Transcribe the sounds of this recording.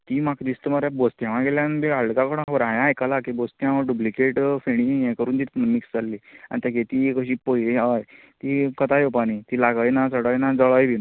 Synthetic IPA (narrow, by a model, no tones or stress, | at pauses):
t̪iːmakd̪ist̪əmaɾabost̪jãʋãɡeljãnbiaɭkakəɽ̃abəɾãjãjkəlakibost̪jãʋaɖublikeʈfeɽ̃ijɛ̃kəɾuːnt̪iːt̪miksd͡zalːia̰ñit̪aket̪iːkəɕiːpojliaj | t̪iːkət̪ajopanit̪ilaɡəjnat͡səɽəjnad͡zəɭəjbin